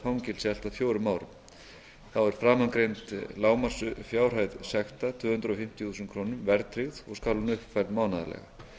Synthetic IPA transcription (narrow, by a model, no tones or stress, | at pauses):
fawŋcɪlsjɛl̥t̪aðfjoːwɾʏmːaːwɾʏ̰m | θawɛɾ̥fɾaːmankɾejnt̪laːwmḁsʏfjaːwr̥ajðsɛxt̪at̪ʰvʏːhʏnt̪ɾɔfɪm̥t̪iθusʏnkʰɾoːnʏmvɛɾt̪ʰɾɪɣðɔɣskaːlunʏhpfajɾlt̪maːwnaða̰lɛ̰ɣa̰